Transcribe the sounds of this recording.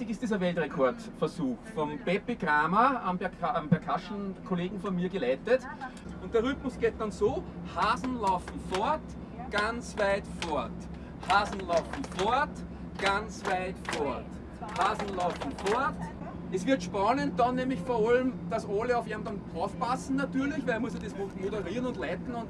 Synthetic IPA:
ɪçɪstd̥iːzɐʋɛltʁekʰɔɐtfɐsuːxfɔmb̥ɛpiɡʁaːmaambɛɐkʰambɛɐkʰaʃn̩kʰoleːɡŋ̩fɔnmiːɐɡəlæɪtət | ʊ̃nt̚d̥eːɐʁʏtmʊsɡ̥eːt̚d̥ansoː | haːzn̩lɑʊfm̩fɔɐt | ɡ̥ant͡svæɪtfɔɐt | haːzn̩lɑʊfm̩fɔɐt | ɡ̥ant͡svæɪtfɔɐt | haːzn̩lɑʊfm̩fɔɐt | ɛsʋɪɐtʃpanənt̚dɑnːemlɪçfɔɐɔlmd̥asoləɑʊfiɐmdantʁɔʊfpasn̩natyːɐlɪçʋælmʊsɐdesmutmoɾəʁiːɐnʊntlæɪtn̩ʊ̃nt

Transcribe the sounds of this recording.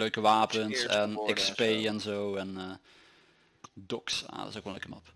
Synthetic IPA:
løɥkəʋaːpəntɛnɛkspeːɛnzowɛnː | dɔksa̰dɪsokʋlnlø̰kəmɑp

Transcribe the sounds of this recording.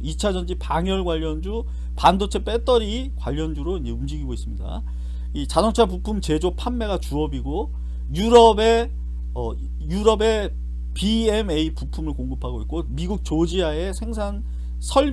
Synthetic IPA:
it͡ɕʰad͡ʑʌnd͡ʑipaŋjʌɭɡwaʎːʌnd͡ʑu | pandot͡ɕʰe̞p͈e̞t͈ʌɾi | kwaʎːʌnd͡ʑuɾoind͡ʑe̞umd͡ʑiɡiɡois͈ɯmɲida̰ | it͡ɕasʰʌŋt͡ɕʰapupʰumt͡ɕe̞d͡ʑopʰanːe̞ɣat͡ɕuʌbiɡo | juɾʌbe̞ | ʌ | juɾʌbe̞ | piemeipupʰumɯɭkoŋɡɯpʰaɡoik̚k͈omiɡuk̚t͡ɕod͡ʑiae̞sʰe̞ŋsʰan | sʰʌɭ

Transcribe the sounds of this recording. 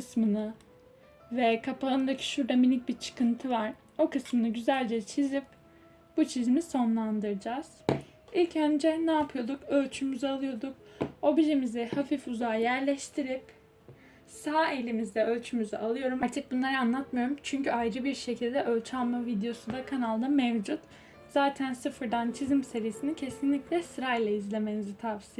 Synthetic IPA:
kɯsmɯnɯ | vɛkʰapʰaɯnd̪acʰi̥ʃuɾd̪aminic̚biɾt͡ʃʰɯ̥kɯnt̪ʰɯvaɾ | o̞kʰɯsmɯnɯɟyzælʲd͡ʒɛt͡ʃʰizip | b̥ut͡ʃʰizmiso̞nlˠand̪ɯɾd͡ʒaːz̥ | ilʲcʰand͡ʒɛnaːpʰɯjo̞d̪ukø̞lʲt͡ʃʰymyzalˠɯjo̞d̪uk̚o̞biʒemizɛhafifuzaːjæɾlʲɛʃt̪ʰiɾip | saae̞lʲimizd̪ɛølʲt͡ʃʰymyzɛalˠɯjo̞ɾumaɾt̪ʰɯk̚bunlˠaɾɯanlˠat̪majoɾumt͡ʃʰyɲcyajɾɯbiɾʃe̞cʰilʲd̪ɛʔølʲt͡ʃʰalˠmavid̪ejo̞sud̪akʰanalˠd̪amevd͡ʒut̪ | z̥aːt̪ʰænsɯfɯɾd̪ant͡ʃʰizmse̞ɾijesinicʰe̞sinlʲiclʲɛsɯɾajlˠaizlʲe̞me̞nizit̪ʰavsi

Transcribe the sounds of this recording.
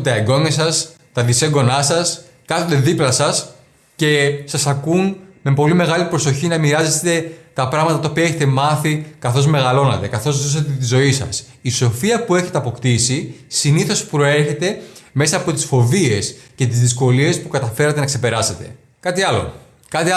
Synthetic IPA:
t̪ɐeɡo̞nɐsɐs | t̪ɐðiseɡo̞nɐsɐs | kɐθond̪e̞ðiplɐsɐs | ce̞sɐsɐkunme̞po̞lime̞ɣɐlipɾo̞so̞çinɐmiɾɐze̞t̪e̞t̪ɐpɾɐɣmɐt̪ɐt̪ɐopiɐeçet̪e̞mɐθikɐθo̞zme̞ɣɐlo̞nɐt̪e̞kɐθo̞zðosɐt̪et̪̬izo̞isɐ̰s | iso̞fiɐpue̞çe̞t̪eɐpo̞kt̪isisiniθo̞spɾo̞e̞çe̞t̪e̞me̞sɐːpo̞t̪i̥sfo̞vie̞sce̞t̪izðisko̞lie̞spukɐt̪ɐfe̞ɾɐt̪enɐkse̞pe̞ɾɐse̞t̪e̞̰ | kɐt̪iɐlo̞̰ | kɐt̪i

